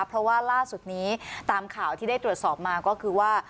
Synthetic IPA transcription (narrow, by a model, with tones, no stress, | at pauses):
pʰɾɔ˦˥waː˥˩laː˥˩su˨˩t̪̚niː˦˥t̪aː˧mkʰaː˨˩wt̪ʰiː˥˩da˥˩t̪ɾu˨˩ət̪̚sɔː˨˩p̚maː˧kɔː˥˩kʰɯː˧waː˥˩